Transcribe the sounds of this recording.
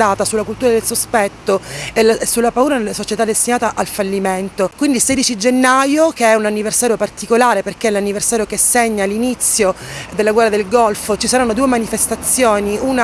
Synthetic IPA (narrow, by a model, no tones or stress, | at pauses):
aːt̪asulːakult̪uɾad̪elsospɛt̪ːoelasulːapauːɾanelːasot͡ʃet̪ad̪ːest̪inaːt̪aʔalfalːiment̪okwind̪ilseːd̪it͡ʃid͡ʒenːajokeɛunanːiversaːɾjopart̪ikolaːɾeperkeɛlːanːiversaːɾjokesːeɲːalinit̪sːjod̪elːaɡwɛrːad̪elɡɔlfot͡ʃisaɾanːod̪uːemanifest̪at̪sːjoːniuːna